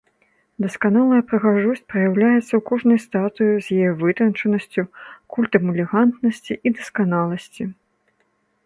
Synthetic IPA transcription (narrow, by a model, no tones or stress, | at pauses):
d̪ɐskanalˠɐjɐpɾɐɣaʐusʲt͡sʲpɾɐjawlʲajɛt̪sːɐwkɔʐnɐjst̪at̪ɨjuzʲjajɛvɨt̪ɾɐnt͡ʂɐnɐsʲt͡sʲukulʲt̪ɐmɛlʲɛɣant̪nɐsʲt͡sʲiʔid̪ɐskanalˠɐsʲt͡sʲi